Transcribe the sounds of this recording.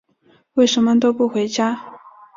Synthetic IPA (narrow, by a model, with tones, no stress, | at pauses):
we˥˩ɪʂə˧˥nmə˧t̪o˥ʊpu˥˩xwe˧˥ɪt͡ɕja˥